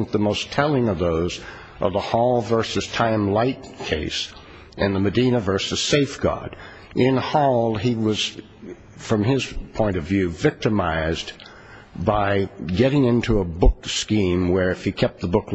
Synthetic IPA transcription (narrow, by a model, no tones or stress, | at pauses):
ŋk̚ðəmoʊstʰɛlˠɪ̃ŋʌvðoʊz | ʔʌvðəhɔlˠvɜ˞sɨz̥tʰãɪ̃mlaɪt̚kʰeɪs | ɨ̃nðəmɨdĩnɨvɜ˞sɨz̥seɪfɡ̥ɑ̰ɾ | ʔɪ̃nhɔlˠiwʌz̥ | fɹʌ̃mɪz̥pʰɔ̃ɪ̃ñʌvjʉvɪk̚tɨmaɪz | baɪɡɛɾɪ̃ŋɪ̃ntʰuəbʊkskĩmwə˞ɨfikʰɛp̪̚ðəbʊk